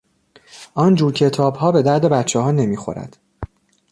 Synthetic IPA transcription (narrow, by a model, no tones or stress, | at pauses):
ʔɒnd͡ʒuːɾcʰe̞t̪ʰɒːbhɒːbe̞d̪æɾd̪e̞bæt̪t͡ʃʰːɛɦɒːne̞miːxo̞̰ɾæ̰d̪̥